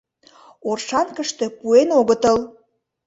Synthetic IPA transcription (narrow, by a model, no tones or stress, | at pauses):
orʃɑnkəʃt̪epuenoɣət̪əl